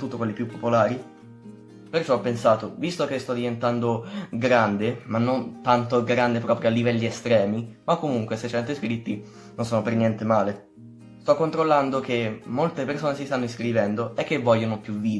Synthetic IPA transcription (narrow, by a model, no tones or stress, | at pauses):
t̪uːt̪ːokwelːipjupːopolaːɾi | pert͡ʃɔpːensaːt̪ovist̪okest̪ɔd̪ivent̪and̪oɡɾand̪emanːont̪ant̪oɡɾand̪epɾɔːpɾjoalːivɛlːiest̪ɾɛːmimakːomuŋkweset͡ʃɛnt̪iskɾit̪ːi | nonsoːnopernjɛnt̪emaːle | st̪ɔkːont̪ɾolːand̪okemːolt̪epersoːnesist̪anːoiskɾivɛnd̪oekːevːɔʎːonopjuviː